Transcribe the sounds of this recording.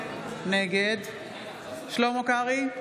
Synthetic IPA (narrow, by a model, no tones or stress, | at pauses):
neɡed̪ | ʃlomokaʁi